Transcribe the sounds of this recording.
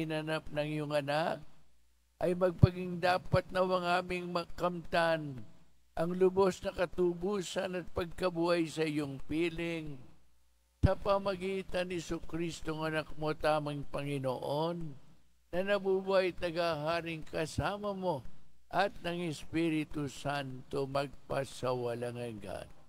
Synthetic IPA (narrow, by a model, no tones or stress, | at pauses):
ɪnɐnap̚nɐŋjoŋɐnak̚ | ʔɐjmɐɡ̚pɐɡiŋd̪aːpɐt̪̚nɐwɐŋaːmɪŋmɐkɐmt̪an | ʔɐŋlʊbo̞snɐkɐt̪uːbuːsɐnɐt̪̚pɐɡ̚kɐbuʔɐjsɐɪjoŋpiːlɪŋ | sɐpɐmɐɡiːt̪ɐnhɪsʊkɾist̪oŋɐnɐk̚mo̞t̪aːmɐŋpɐŋɪno̰ʔonː | ɐnɐbuːbuajt̪̚nɐɡaɦaːɾɪŋkɐsaːmɐmo̞ʔɐt̪̚nɐŋɪspiɾɪt̪usant̪o̞mɐɡ̚pɐsɐwɐlaŋɐŋɡa̰n